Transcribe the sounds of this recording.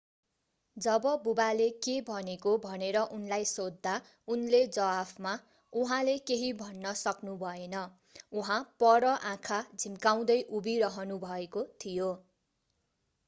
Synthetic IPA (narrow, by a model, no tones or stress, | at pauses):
d͡zʌbʌbubalekebʱʌnekobʱʌneɾʌʔunlajsod̪ːa | unled͡zʌwapʰma | uɦãlekeɦibʱʌnːʌsʌknubʱʌenʌ | uɦãpʌɾʌʔãkʰad͡zʱimkaw̃d̪ʌjʔubiɾʌɦʌnubʱʌekot̪ʰijo